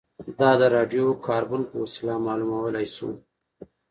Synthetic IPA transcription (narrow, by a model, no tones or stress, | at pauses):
d̪ɑd̪əɾɑɖjokʰɑɾbʊnpəwasilamɑlumawəlajsṵ